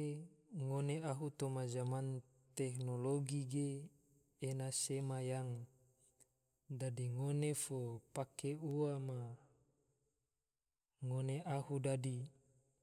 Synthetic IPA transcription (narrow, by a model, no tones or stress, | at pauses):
ŋoneaɦut̪omazaman | t̪eknoloɡiɡeː | nasemajaŋ | dadiŋonefopakeuama | ŋoneʔahudadi